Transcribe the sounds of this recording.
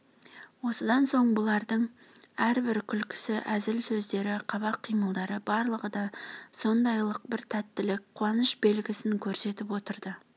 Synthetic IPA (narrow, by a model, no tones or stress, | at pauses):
wo̞səd̪ɑnso̞ɴbʊlˠɑɾd̪əɴ | æɾbɪɾkʲʰʏlkʲɪ̥sɪʔæzɪlsɵzd̪e̞ɾɪqʰɑβɑqʰːijməlˠd̪ɑɾəbɑɾlˠəʁəd̪ɑso̞nd̪ɑjlˠəq̚bɪɾt̪ʰæt̪ːɪlɪk̚qʰːʊɑnəʃbe̞lɡʲɪsɪŋkʲʰɵɾse̞t̪ɪpwo̞t̪əɾd̪ə